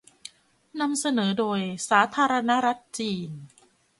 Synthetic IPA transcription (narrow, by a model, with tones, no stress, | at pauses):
na˧msa˧nɤː˩˦doː˧jsaː˩˦t̪ʰaː˧ɾa˧na˦˥ɾa˦˥t̪̚t͡ɕiː˧n